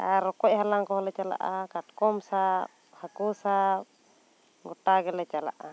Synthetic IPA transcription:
aɾɔkɔc̚halaŋkɔɦɔlɛt͡ʃala̰ʔakaʈkɔmsa | hakusa | ɡɔʈaɡɛlɛt͡ʃala̰ʔa

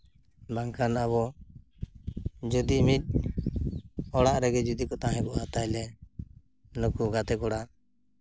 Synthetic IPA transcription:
baŋkʰanabɔ | d͡ʒud̪iʔmit̪̚ˀ | ɔɽaʔɾɛɡɛd͡ʒud̪ikɔt̪aɦɛ̃kɔʔat̪ajlɛ | nɔkuɡat̪ɛkɔɽaʔ

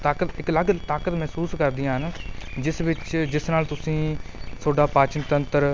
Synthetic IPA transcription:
t̪aːkət̪ɪkləɡt̪aːkət̪mɛːsuːskəɾd̪ijãːɦənd͡ʒɪsʋɪt͡ʃd͡ʒɪsnaːlt̪ʊsĩːsʰoːɖaːpaːt͡ʃənt̪ənt̪əɾ

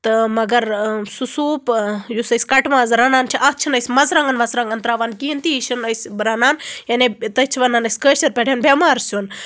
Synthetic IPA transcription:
t̪ɨmɐɡɐɾsusuːpjusɐjsʲkɐʈmaːzɾɐnaːnt͡ʃʰiʔɐt̪̚ʰt͡ʃʰinɐjsʲmɐzɾɐŋɡɐnʋɐt͡sɾɐŋɡɐnt̪ɾaːʋankiint̪iʃinɐjsʲɾɐnaːnjɐnet̪ɐt͡ʃʰiʋɐnːaːnɐsʲkəːʃɐɾpʲeʈʰʲenbʲɐmaːɾsʲun

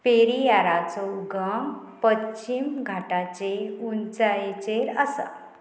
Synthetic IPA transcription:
peɾijaɾat͡səuɡəm | pət͡ɕimɡʱaʈat͡ɕeunt͡sajet͡ɕeɾəsa̰

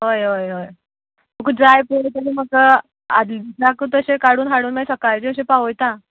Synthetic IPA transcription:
ɦojɦojɦoj | məkud͡zajpəɭet̪aɾiməkə | a̰d̪lisakut̪əɕekaɽuːnɦaɽuːnmajsəkajd͡ʑeəɕẽpaʋojt̪ã

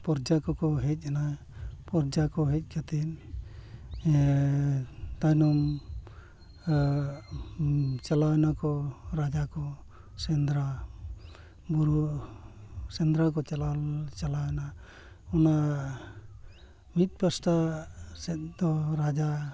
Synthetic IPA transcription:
pɔɾd͡ʒakɔkɔɦɛc̚ˀana | pɔɾd͡ʒakɔɦɛc̚kʰat̪il | t̪anɔm | t͡ʃalanakɔɾad͡ʒakɔ | sɛnd̪ɾa | buɾu | sɛnd̪ɾakɔt͡ʃalat͡ʃalana | ɔna | mit̪̚ˀpasʈasɛt̪̚d̪ɔɾad͡ʒa

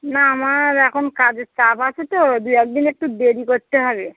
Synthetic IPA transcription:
naːmaɹɛkʰonkad͡zesapʰasɛt̪od̪ujɛk̚d̪inek̚ʈubeɾikoɹt̪eɦaβe

